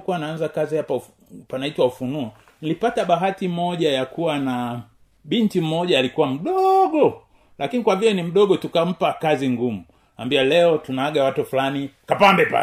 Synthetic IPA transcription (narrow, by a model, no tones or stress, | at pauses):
kuwanaanzakazihapau | panaitwaufunuɔ | nilipataɓaɦatimɔʄajakuwana | ɓintim̩mɔʄaːlikuwam̩ɗɔɡɔ | lʔakinikwavilɛnim̩ɗɔɠɔtukam̩pakaziŋɡumu | ambialɛɔtunaaɡawatufulanikapambɛpa̰